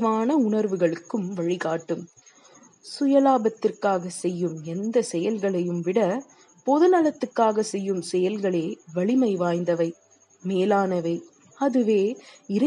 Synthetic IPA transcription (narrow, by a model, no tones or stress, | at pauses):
maːnɐʊɳɐɾʋɯɣɐɭɯkːɯmʋɐɻɪɣaːʈːɯm | sʊjɐlaːbɐt̪ːɪrkaːɣɐsɛjːɯmɛnd̪ɐsɛjɐlɣɐɭɐjɯmʋɪɽɐ | pɔðɯnɐlɐt̪ːɯkːaːɣɐsɛjːɯmsɛjɐlɣɐɭeːʋɐɭɪmɐɪʋaːjnd̪ɐʋɐɪ | meːlaːnɐʋɐɪ | ɐðɯʋeːɪɾɐ